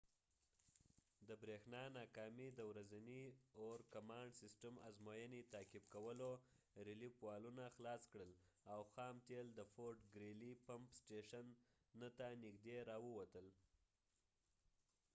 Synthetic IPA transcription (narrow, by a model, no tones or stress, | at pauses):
d̪əbɾexnɑnɑkɑmid̪əwɾazanioɾkamɑɳɖsɪsʈama̰zmojənit̪ɑkɪb̚kawəlo | ɾilipwɑlunaxlɑskɽəlawxɑmt̪eld̪əfoɾʈɡɾelipampsʈeʃanː | ət̪anɪɡd̪eɾɑwəwat̪əl